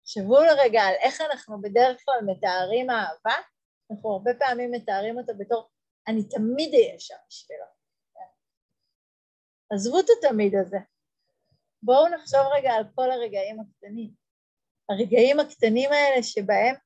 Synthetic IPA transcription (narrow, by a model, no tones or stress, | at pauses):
χʃevuleʁeɡaːlʔe̞χanaχnube̞deʁeχklalme̞taːʁimaːva | naχnuaʁbe̞paːmimːe̞taːʁimo̞tabeto̞ʁ | anitamidejeʃamiʃvila̰ | azvutatamidaze̞ | bo̞unaχʃo̞vʁeɡaːlko̞laʁe̞ɡaimaktanim | aʁeɡaimaktanimae̞le̞ʃe̞bae̞m